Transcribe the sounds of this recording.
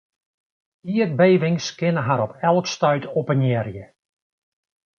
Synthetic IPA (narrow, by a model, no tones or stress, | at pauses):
iət̚beːʋɪŋskɪnəɦaɾɔpʰɛlˠkstœɥtʰopənjɛrjə